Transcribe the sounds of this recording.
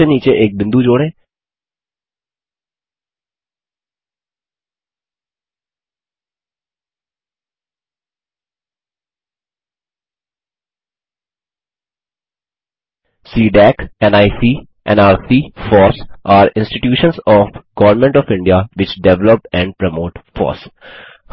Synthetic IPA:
eniːt͡ʃeʔeːk̚bɪ̃nd̪ud͡ʒoːɽẽː | siːɖɛkɛ̃naɪsiː | ʔɛ̰̃naːɾsiːfɔːsʔaːɾɪ̃nsʈɪʈjuːʃə̃nsɔːfɡ̥ɔʋəɾmɛ̃ɳʈɔːfɪ̃ɳɖiaʋɪt͡ʃɖɛʋləpɛ̃ɳɖ̚pɾəmoːʈfɔ̰ːɾs

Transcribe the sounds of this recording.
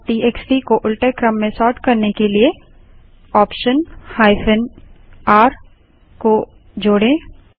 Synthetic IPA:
ʈiːeːksʈikoʔʊlʈekɾə̃mːẽsɔːʈkɐɾnekelie | ɔːpʃənhaːɪfʰənaːɾ | ko | d͡ʒoːɽẽ

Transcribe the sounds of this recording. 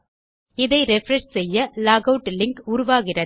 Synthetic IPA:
ɪðɐɪɾɛfɾɐʂsɛjːɐlaːɣɐʊʈlɪŋkʊɾʊʋaːɣɪrɐ

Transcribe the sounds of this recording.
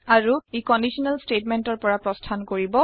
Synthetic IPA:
aɹuekɔndisɔnalstetmɛntɔɹpɔɹapɹɔstʰankoɹibɔ

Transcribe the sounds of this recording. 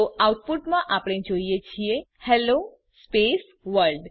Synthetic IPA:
oawʈ̚puʈmãʔapɽ̃ẽd͡ʒoijet͡ʃʰie | hɛlo | spes | ʋəɾɖ

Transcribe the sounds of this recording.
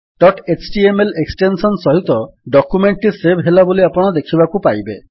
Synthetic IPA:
ɖɔʈet͡ʃʈiemeleksʈensɔnsɔɦit̪ɔɖɔkumeɳʈːisebʱɦelaboliapɔɽ̃ɔd̪ekʰibakupajbe

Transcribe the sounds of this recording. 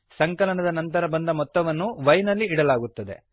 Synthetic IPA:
sɐŋkɐlɐnɐd̪ɐnɐnt̪ɐɾɐbɐnd̪ɐmɔt̪ːɐʋɐnːuʋɐjnɐlːiːɽɐlaːɡut̪ːɐd̪e̞̰

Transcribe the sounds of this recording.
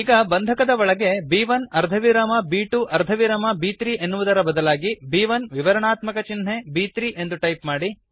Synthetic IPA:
iːɡɐbɐnd̪ʱɐkɐd̪ɐɐɭɐɡe̞biːʋɐnɐɾd̪ʱɐʋiɾɐmɐbiːʈuʔɐɾd̪ʱɐʋiɾɐmɐbiːt̪ɾiːʔe̞nːuʋud̪ɐɾɐbɐd̪ɐlaːɡibiːʋɐnʋiʋɐɾɐɳaːt̪mɐkɐt͡ʃinɦe̞biːt̪ɾiːʔe̞nd̪uʈɐjpmaːɽi

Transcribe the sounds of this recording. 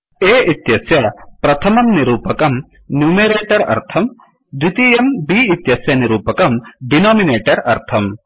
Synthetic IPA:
eːʔit̪jɐsjɐpɾɐt̪ʰɐmɐmniɾuːpɐkɐm | njuːmeɾeːʈɐɾɐ̰ɾt̪ʰɐm | d̪ɾit̪ijɐmbiːt̪jɐsjɐniɾuːpɐkɐmɖinɔːmineːʈɐɾɐ̰ɾt̪ʰɐm

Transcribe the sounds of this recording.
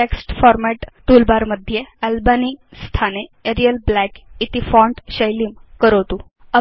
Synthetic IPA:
eksʈfɔɾmɛʈt̪ulbaɾməd̪ʱːjeælbanist̪ʰaneeɾijəlblækit̪ifɔɳʈɕəjliːmkəɾət̪u | ə

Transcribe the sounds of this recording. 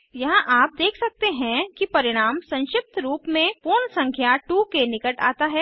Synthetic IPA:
jɐɦãʔaːp̚d̪eːkʰsɐk̚t̪eɦɛ̃kipɐɾɪɽ̃aːmsɐ̃nʃɪp̚t̪ʰɾuːpmẽpuːɾnsɐ̃ŋkʰjaʈuːkenɪkəʈa̰ːt̪aɦɛː

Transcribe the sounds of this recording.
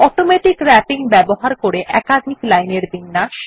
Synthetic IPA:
ɔʈomeʈikɾɛpiŋbɛboɦaɾkoɾeʔɛkad̪ʱiklajneɾbinːaʃ

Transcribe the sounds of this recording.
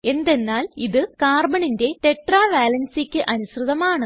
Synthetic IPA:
e̞nd̪e̞nːaːliðɨkaːrbɐɳinde̞t̪e̞ʈraːʋaːlɐnsikʲːɨʔɐnusrɨðɐmaːɳɨ

